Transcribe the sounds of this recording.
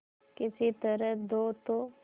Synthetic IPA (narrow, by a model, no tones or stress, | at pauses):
kɪsit̪əɾəd̪oːt̪o